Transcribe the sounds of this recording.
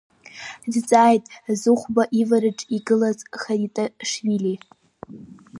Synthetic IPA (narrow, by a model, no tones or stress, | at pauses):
dt͡sʼajtʼzɨχʷbaʔivaɾɨʈ͡ʂʼiɡɨlazχaitʼaʂɥili